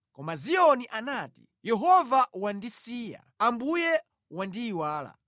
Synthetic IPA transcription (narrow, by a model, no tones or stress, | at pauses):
kɔmaziɔniʔanaːti̥ | jɛɦɔvawandisiːja̰ambujɛ | wandiːwaːla̰